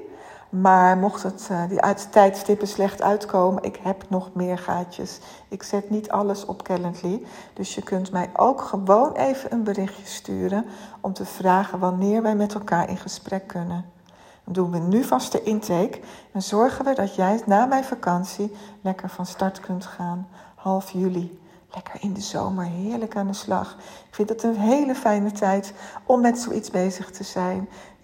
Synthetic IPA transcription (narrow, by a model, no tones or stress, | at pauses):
maːɹmɔχtətdḭʔɛɥttɛjtstɪpəslɛχtœ̰ɥtkowmənʔɪ̰kɦɛpnɔχmɪːɹχaːcə̰s | ɪksɛtnitʰɑ̰ləsɔ̰pkɛləntli | d̥ɵsjəkɵntmɛjʔo̰wkχəʋownʔejvənʔənbərɪχjə̥sty̰ːɾənɔmtəv̥raːχənʋɑnɪːɹʋɛjmɛtɛlˠkaːɹʔɪ̰nχəsprɛkːɵnən | ndunʋənyvɑstəʔɪntʰejkɛnzɔɹχənʋədɑtjɛjnaːmɛjnfakɑnsilɛkəɹvɑnstɑɹtkɵntχaːn | hɑlˠfjyli | lɛkəɹɪndəzo̰wməɹɦɪːɹləkaːndəslɑ̰χɪkfɪntdɑtənɦejləfɛjnətɛjtʔɔmːɛtso̰wʔitzbejzəχtʰəzɛjn